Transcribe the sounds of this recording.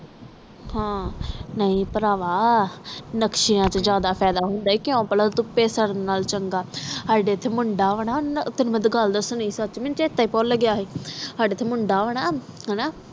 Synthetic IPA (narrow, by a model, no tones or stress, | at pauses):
hãːnəĩːpəɾaːʋaː | nəkʃijãːt͡ʃəd͡ʒjaːd̪aːpʰɛːd̪aːɦʊ̃nd̪aːiːkɪõːpəlaːt̪ʊpːeːsəɾnaːlt͡ʃəŋɡaːɦaːɖeːt̪ʰːeːmʊɳɖaːʋəɽaːt̪ɪnməd̪ɡəld̪aːsʊnĩːsət͡ʃmɪnt͡ʃeːt̪ːaːiːpɔːləɡjaːɦeːsaːɖeːt̪ʰeːmʊɳɖaːʋəɽ̃aː | ɦɛnaː